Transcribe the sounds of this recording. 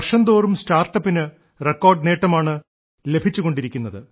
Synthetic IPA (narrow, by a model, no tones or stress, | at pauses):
ɐrʂɐnd̪oːrumstaːrʈːɐpːinɨ | rekːo̞ːrɖne̞ːʈːɐmaːɳɨ | le̞bʱit͡ɕːuɣo̞ɳɖiɾikʲːunːɐðɨ